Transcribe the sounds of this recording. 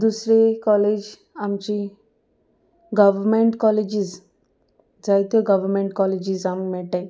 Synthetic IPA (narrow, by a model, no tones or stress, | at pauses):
d̪usɾekɔled͡ʒ | amt͡ʃi | ɡɐʋəɾmeɳʈkɔled͡ʒiz | d͡ʒajt̪ɔɡɐʋəɾmẽɳʈkɔled͡ʑizammɛʈã